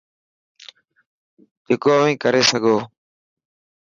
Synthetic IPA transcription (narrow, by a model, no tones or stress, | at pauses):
d͡ʒeːkoːəʋĩːkəɾeːsəɡʱoː